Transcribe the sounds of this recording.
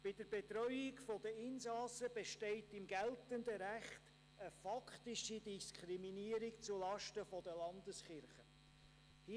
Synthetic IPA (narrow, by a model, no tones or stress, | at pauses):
b̥ɪd̥əɾbetɾœʏɪkfɔdəɪnsɑːsəb̥eʃtɛɪtɪmɡɛltənd̪əɾæχt | əfɑkχt̪iʃidiskʰχɾiminiəɾikt͡sulɑʃtəfɔd̥əlɑnd̪əsχɪɾχə | hi